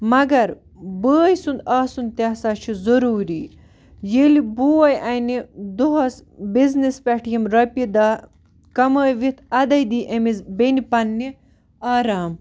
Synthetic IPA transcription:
mɐɡɐɾ | bəːjsund̪aːsund̪̚t̪ʲasaːt͡ʃʰizɐɾuːɾi | jelibuɐjʔɐjnid̪uɦɐsbiznispɐʈʰjimɾɐpid̪aː | kɐməːjʋit̪ʰɐd̪ɐjd̪iːʔemizbenipɐnːi | aːɾaːm

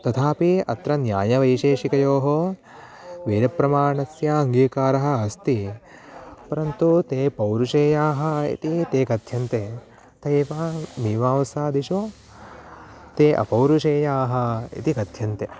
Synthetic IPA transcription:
t̪ɐt̪ʰaːpiɐ̰t̪ɾɐnjaːjɐʋɐjʃeːʃikɐjoːɦo | ʋeːɾɐpɾɐmaːɳɐsjɐɐŋɡiːkaːɾɐɦɐ̆ːst̪i | pɐɾɐnt̪ut̪eːpɐwɾuʂeːjaːɦɐ̆ḭt̪it̪eːkɐt̪ʰjɐnt̪eː | t̪ɐjʋamiːʋaːʋɐsaːd̪iʃo | t̪eːʔɐ̰pɐwɾuʃeːjaːɦɐ̆ḭt̪ikɐt̪ʰjɐnt̪e

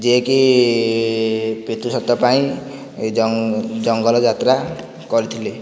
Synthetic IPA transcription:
d͡ʒeki | pet̪usɔt̪ːɔpaĩ | d͡ʒd͡ʒɔŋɡɔlɔd͡ʒat̪ɾa | kɔɾit̪ʰile

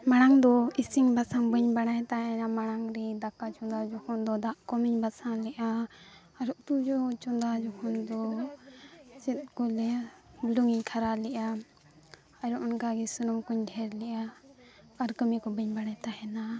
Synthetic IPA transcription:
maɽ̃aŋd̪ɔisiŋbasaŋbəɲbaɽ̃ajt̪aɦɛnamaɽ̃aŋɾɛd̪akat͡ʃɔnd̪ad͡ʒɔkʰɔnd̪ɔd̪aʔkɔmiɲbasaŋlɛʔa | aɾut̪ud͡ʒɔt͡ʃɔnd̪ad͡ʒɔkʰɔnd̪ɔ | sit̪̚kɔlɛbluŋiɲkʰaɾalɛʔa | aɾɔʔɔnkaɡɛsunumkuɲɖʱɛɾlɛʔaː | ɾkəmikɔbəɲbaɽ̃ajt̪aɦɛna

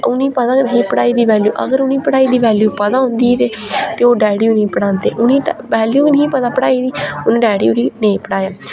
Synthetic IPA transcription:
ʊnĩːpəd̪ãːnɦĩːpəɽaːiːd̪iːʋɛːljṵːʔə̰ɡəɾʊnĩːpəɽaːiːd̪iːʋɛːljuːpəd̪aːɦʊ̃nd̪iːt̪eː | t̪eːoːɖɛːɽijuːnĩːpəɽãːnd̪eːʔʊnĩːʋɛːljuːnəɦĩːpəd̪aːpəɽaːiːd̪iːʊnĩːɖɛːɽiːʊniːneĩːpəɽaːjaː

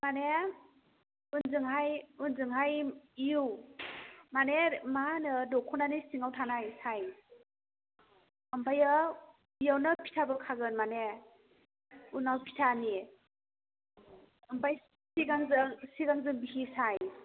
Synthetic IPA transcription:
mane | unzɯŋɦajunzɯŋɦajiuw | manemanɯdɔkʰɔnanisiŋawtʰanajsaj | ɯmbʰajɯ | bijawnɯpʰi̥tʰabɯkʰaɡɯnmane | unawpʰitʰani | ɯmbʰaj | siɡaŋzɯsiɡaŋzɯŋbihisaj

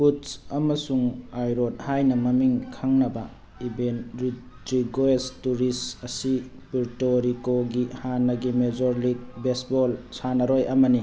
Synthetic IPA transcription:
putsɐmɐsuŋajɾot̚hajnɐmɐmiŋkʰaŋnɐbɐ | ibenɾi | tɾiɡoestuɾisɐsi | piɾtoɾikoɡihanːɐɡimed͡ʒoɾliɡ̚besbolsanɐɾojʔɐmɐni

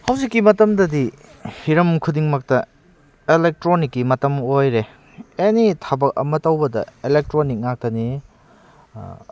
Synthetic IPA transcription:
hɐwzikːimɐtɐmdɐdi | hiɾɐmkʰudiŋmɐk̚tɐ | elek̚tɾonikːimɐtɐmojɾe | enitʰabɐk̚ɐ̰mɐtɐwbɐdɐ̰elek̚tɾonik̚ŋak̚tɐni

